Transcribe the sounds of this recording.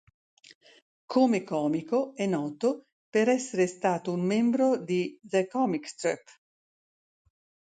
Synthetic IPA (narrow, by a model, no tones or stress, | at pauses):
kʰomekɔːmikoɛnːɔːt̪o | peɾɛsːeɾest̪aːt̪oummembɾod̪izɛkɔmikst̪ɾɛ̰p